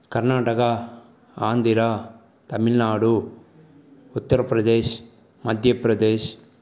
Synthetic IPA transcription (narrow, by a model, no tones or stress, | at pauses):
kɐɾnaːʈɐkɐ | aːnd̪iɾa | t̪ɐmilnaːɽu | ut̪ːɐɾɐpɾɐd̪eːʃ | mɐd̪ʱjɐpɾɐd̪eːʃ